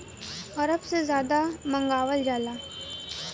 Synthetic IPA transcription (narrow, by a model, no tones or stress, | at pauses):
ɐɾəpsezjaːd̪amɐ̃ŋɡaːʋəld͡ʒaːlaː